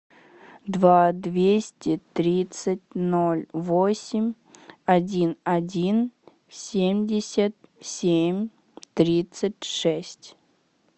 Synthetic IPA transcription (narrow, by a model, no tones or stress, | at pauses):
d̪vad̪vʲesʲtʲɪt̪ɾʲit̪sɨtʲnolʲvosʲɪmʲ | ɐdʲinɐdʲin | sʲemʲdʲɪsʲət̪̚sʲemʲ | t̪ɾʲit̪sɨtʲʂɛsʲtʲ